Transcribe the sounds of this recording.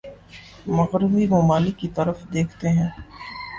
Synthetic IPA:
mɐɣɾɪbimɐmaːlɪkːit̪ɐɾəfd̪eːkʰt̪eɦɛ̃ː

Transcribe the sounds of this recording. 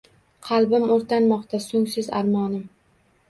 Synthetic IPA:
qʰɑlˠbɪmoɾt̪ʰanmɒqt̪ʰasɵŋsɪza̰ɾmɒnɪm

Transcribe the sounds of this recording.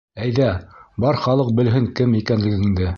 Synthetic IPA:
æjðæbɑɾχɑlˠɤq̚bɘ̆lɦɘŋkɘmikænlɘ̆ɡɘĭŋd̪ɘ

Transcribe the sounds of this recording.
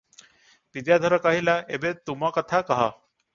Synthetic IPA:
pid̪jad̪ʱəɾəkaɦilaebet̪umakət̪ʰakəɦa

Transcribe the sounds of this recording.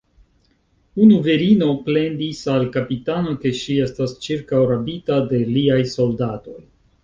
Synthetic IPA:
unuveɾino̞ple̞ndisalkapitano̞ke̞ʃie̞stast͡ʃiɾkawɾapitade̞liajso̞ldato̞j

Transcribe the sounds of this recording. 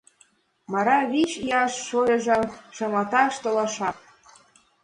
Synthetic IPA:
mɑɾɑβit͡ɕiɑʃːojɤ̆ʒəmʃɑmɑt̪ɑʃt̪olɑʃɑk̚

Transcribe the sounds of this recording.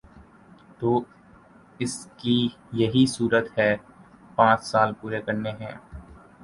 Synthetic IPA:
t̪oː | ɪski | jɐɦisuːɾət̪ɦɛː | pãːt͡ʃsaːlpuːɾekɐɾneɦɛ̃ː

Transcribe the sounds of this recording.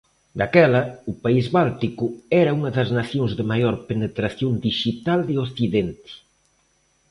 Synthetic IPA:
d̪akɛlɐupaizβalt̪ikʊɛɾɐuŋɐðɐznaθjoŋzðɪmajoɾpenet̪ɾaθjond̪iʃit̪ald̪eoθiðent̪ɪ̥

